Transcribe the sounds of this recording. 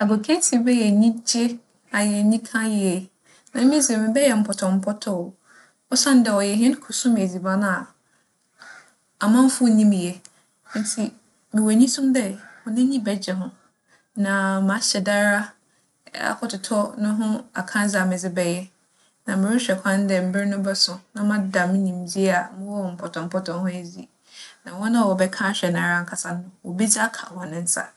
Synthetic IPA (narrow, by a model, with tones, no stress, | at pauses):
a˨ɡo˨kʰɛ̃˦ntʰi˨˦bɛ˦jɛ˨ɲĩ˦d͡ʑe˦ | a˨jɛ˨ɲĩ˦kʰã˦jɪ˦ɛ˨ | nã˨˦mɪ̃˦zɪ˨mɪ̃˨bɛ˦jɛ˨m̩˦pʰɔ˨tʰɔ˨m̩˦pʰɔ˦tʰɔ˨ | ɔ˦sã˦n˦dɛ˨ɔ˨jɛ˨ɦɛ̃˦n˦kʰu˨sũ˦m˨e˨d͡zi˨ba˦n˦a˨ | a˨mã˦m˦fʊ˦nĩ˦m˨jẽ˨˦ | n˦tʰi˨ | mɪ̃˨wo˨ɲĩ˦sũ˦mdɛ˦ɔ˨nɪ̃˦ɲĩ˦bɛ˦d͡ʑɛ˨ɦʊ̃˦ | nã˨mã˨˦ɕɛ˨da˦ɾa˦ | a̰˨kʰɔ˨tʊ˨tʰɔ˦nʊ̃˦ɦʊ̃˦a̰˨kʰã˦d͡za˨mɪ̃˨d͡zɪ˦bɛ˨jɛ˦ | nã˨mɪ̃˨ɾɪ˦ɕᶣɛ˨kʷʰã˦n˦dɛ˦˨m̩˨˦bɪ˦ɾnʊ̃˦bɛ˦sʊ̃˨nã˨mã˦da˨mɪ̃˦nĩ˨md͡ʑi˦a˨mɪ̃˦wɔ˦˨m̩˨pʰɔ˨tʰɔ̃˨m̩˦pʰɔ˦tʰɔ̃˨nhʊ̃˦e˦d͡ʑi˦ | nã˨wɔ̃˦nã˦˨wɔ˨bɛ˦kʰã˦ɕᶣɛ˨nã˨ɾa˦ŋ̩˨kʰa˨sa˦n˦nʊ̃˦˨wɔ˨bi˦d͡ʑkʰa̰˨hɔ̃˨nʊ̃˦n̩˦sa̰˨